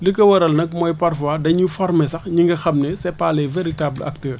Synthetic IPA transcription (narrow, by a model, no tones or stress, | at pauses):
ləkɐwɐɾɐlnɐk̚mɔːjpɐrfwadɐɲufɔrmɛsɐxɲiŋɡɐxɐmnesɛpaːlɛveɾitablɐ̰k̚təːr